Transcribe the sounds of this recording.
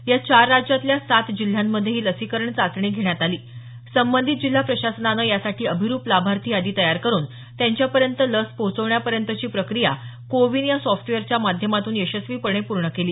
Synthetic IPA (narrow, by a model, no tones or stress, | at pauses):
jat͡ɕaɾːad͡ʑjat̪ljasat̪d͡ʑil̤jamːəd̪ʱːjeɦiːləsikəɾəɳt͡sat͡sɳiːɡʱeɳjat̪aliː | səmbənd̪ʱit̪̚d͡ʑil̤ːapɾəɕasənanəjasaʈiːəbʱiɾuːplabʱaɾt̪ʰiːad̪iːt̪əjaɾkəɾuːn | t̪jaɲt͡ɕjapəɾjənt̪ələspot͡səʋɳjapəɾjənt̪ət͡ɕiːpɾəkɾijakoʋiːnjasɔfʈʋeəɾt͡ɕjamad̪ʱjəmat̪uːneɕəsʋiːpəɳ̃epuɾɳəkeliː